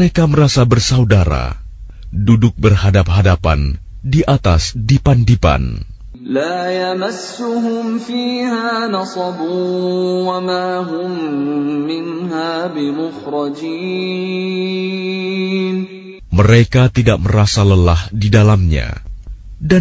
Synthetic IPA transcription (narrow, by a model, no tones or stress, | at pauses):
ekaməɾasabərsaudaɾa̰ | dudʊk̚bərhadap̚hadapa̰n | diʔat̪asdipandipa̰n | laːjamasːʊɦʊmfiːhaːnɑsˤɑbuːwamaːɦʊmː | ɪnɦaːbɪmʊxɾˤɑd͡ʒiː | n | məɾekat̪idaʔ̚məɾasaləlahdidalamɲa̰ | da